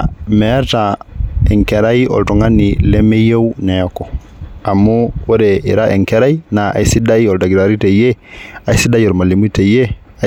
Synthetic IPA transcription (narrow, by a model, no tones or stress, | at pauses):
mɛɾtaɛŋkɛɾajɔ̰ltɔŋanilɛmɛjewnɛɔkɔ | amːuwɔɾɛiɾaʔɛŋkɛɾajnaa̰jsidajɔldaɡiɾaɾitɛjɛajsidajɔɾmalemutɛjɛ | a